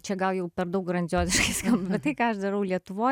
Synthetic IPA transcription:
t͡ʃʲɛɡɐlˠjɛʊpʲɛɾd̪ɐkɡɾɐnʲd͡zʲoːzʲɪʃkɐɪskɐmbbʲɛt̪t̪ɐɪkɑːɐʃd̪ɐɾɐʊlʲiɛt̪ʊʋoː

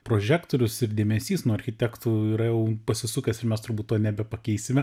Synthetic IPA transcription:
pɾoːʒʲæːkt̪oːɾʲʊsɪɾdʲeːmʲɛsʲiːsnuɔɐɾʲxʲɪt̪ʲækt̪uːiːɾɐjɛʊpɐsʲɪsʊkʲɛsɪmʲɛst̪ʊɾbuːt̪toːnʲɛbʲɛpɐkʲɛɪsʲɪmʲɛ

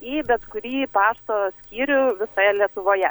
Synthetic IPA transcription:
ibʲɛt̪kʊɾʲiːpɑːʃt̪oːsʲkʲiːɾʲʊʋʲɪsojɛlʲiɛt̪ʊʋoːjɛ

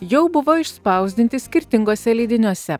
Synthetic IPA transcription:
jɛʊbʊʋoːɪʃspɐˑʊzʲd̪ʲɪnʲt̪ʲɪsʲkʲɪɾʲt̪ʲɪŋɡoːsʲɛlʲɛɪd̪ʲɪnʲuɔsʲɛ

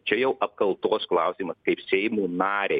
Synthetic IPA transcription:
t͡ʃʲɛjɛʊʔɐp̚kɐlˠt̪oːsklˠɑʊsʲiːmɐskɐɪpsʲɛɪmuːnɑːɾʲe

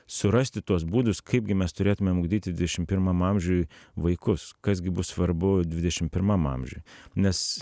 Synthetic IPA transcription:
sʊɾɐsʲt̪ʲɪt̪uɔs̬buːd̪ʊskʰɐɪp̚ɡʲɪmʲɛst̪ʊɾʲeːt̪ʊmʲɛmʊɡd̪ʲiːt̪ʲɪd̪ʲʋʲɪd̪ʲɛʃʲɪmpʲɪɾmɐmɐmʲʒʲujʋɐɪkʊskɐsɡʲɪbʊssʋɐɾbʊd̪ʲʋʲɪd̪ʲɛʃʲɪmpʲɪɾmɐmɐ̰mʲʒʲṵːjnʲɛs

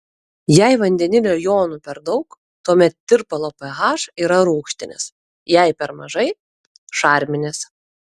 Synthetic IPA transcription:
jæˑɪʋɐnʲd̪ʲɛnʲɪnʲuːjoːnuːpʲɛɾd̪ɒʊk | t̪uɔmʲɛt̪̚t̪ʲɪɾpɐlˠoːpʲɛɣɑːʃiːɾɐɾuːkʃʲt̪ʲɪnʲɪ̰s | jɛɪpʲɛɾmɐʒɐɪ | ʃɑːˑɾʲmʲɪnʲes

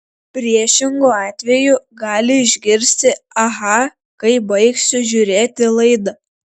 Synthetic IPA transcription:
pʲɾʲiɛʃʲɪŋɡoːɑːt̪ʲʋʲɛjʊɡɑːlʲɪɪʒʲɡʲɪɾʲsʲt̪ʲɪɐɦɐ | kɐɪbɐɪksʲʊʒʲʊɾʲeːt̪ʲɪlˠɐɪd̪ɐ

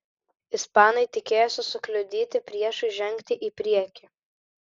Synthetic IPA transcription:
ɪspɑːnɐɪt̪ʲɪkʲeːjosʲɪsʊklʲʊd̪ʲiːt̪ʲɪpʲɾʲiɛʃʊɪʒʲɛŋʲˑkt̪ʲɪʔipʲɾʲiɛkʲɪ

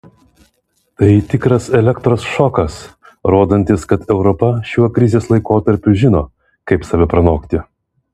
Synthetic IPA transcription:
t̪ɐɪt̪ʲɪkɾɐsɛlʲɛkt̪ɾoːsʃɔkɐs | ɾoːd̪ɐnʲt̪ʲɪskɐt̪ɛʊɾɔpɐʃʲuɐkɾʲɪzʲeːslˠɐɪkoːt̪ɐɾʲpʲʊʒʲɪnoː | kɐɪpsɐʋʲɛpɾɐnoːkt̪ʲɪ

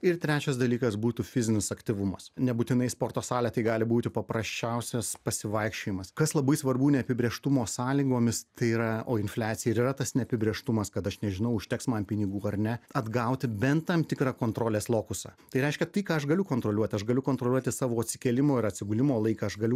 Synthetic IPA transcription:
ɪrt̪ʲɾʲæːt͡ʃʲɛsd̪ɐlʲiːkɐsbuːt̪uːfʲɪzʲɪnʲɪsɐkt̪ʲiʋʊmɐsnʲɛbuːt̪ʲɪnɐɪspoːrt̪oːsɑːlʲɛt̪ɐɪɡɑːlʲɪbuːt̪ʲɪpɐpɾɐsʲt͡ʃʲɛʊsʲɛspɐsʲɪʋɐɪkʃʲt͡ʃʲoːjɪmɐskɐslˠɐbɐɪsʋɐrbuːnʲɛɐpʲɪbʲɾʲeːʃt̪ʊmoːsɑːlʲiɡoːmʲɪst̪ɐɪiːɾɐo̰ːɪnflʲæːt̪sʲɪjɛɪɾiɾɐt̪ɐsnʲɛɐpʲɪbʲɾʲeːʃt̪ʊmɐskɐt̪ɐʃnʲɛʒʲɪnɐʊʊʃʲt̪ʲɛksmɐnpʲɪnʲɪɡuːɐrnʲɛɐd̪ɡɐʊt̪ʲɪbʲɛnt̪t̪ːɐmt̪ʲɪkɾɑːkoːnt̪ɾoːlʲeːslˠoːkʊsɑ̰ːt̪ɐɪɾʲɛɪʃʲkʲɛt̪ɐɪkɑːɐʃɡɐlʲʊkoːnt̪ɾoːlʲuɔt̪ʲɪɐʃɡɐlʲʊkoːnt̪ɾoːlʲuɔt̪ʲɪsɑːʋoːɐt̪ʲsʲɪ̥kʲɛːlʲɪmoːɪɾɐt̪ʲsʲɪɡʊlʲɪmoːlˠɐɪkɐɐʃɡɐlʲʊ

